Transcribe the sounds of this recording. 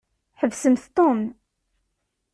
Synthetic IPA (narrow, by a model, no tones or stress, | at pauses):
ħəvsəmθt̪ˤːom